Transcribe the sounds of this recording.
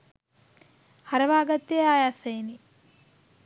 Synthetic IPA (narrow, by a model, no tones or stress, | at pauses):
hɐɾɐʋaːɡɐt̪ːeaːjaːsejni